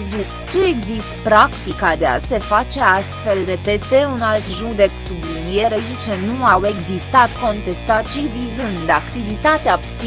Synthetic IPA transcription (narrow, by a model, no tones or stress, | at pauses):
zut̪t͡ʃe̞ːɡzist̪pɾakt̪ikad̪e̞a̰se̞fat͡ʃe̞ast̪fe̞ld̪e̞t̪e̞st̪e̞unalt̪ʒud̪e̞ksublinijeɾeit͡ʃenuawe̞ɡzist̪at̪ko̞nt̪e̞st̪at̪ʃivizɨnd̪akt̪ivit̪at̪eapsi